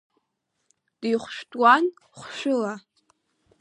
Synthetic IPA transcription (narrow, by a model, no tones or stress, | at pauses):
d̥ijχʷʃʷᶣtʼwan | χʷʃʷᶣʊla